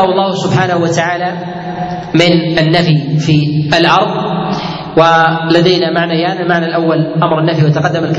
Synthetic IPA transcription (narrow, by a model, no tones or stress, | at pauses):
ɑɑlˤːɑːhʊsʊbħaːnahuwat̪aʕaːla | mɪnanːafifialʔɑɾˤðˤ | walad̪ajnamaʕnajaːnɪlmaʕnalʔawːalʔamɾˤanːafiwat̪aqɑd̪ːamalk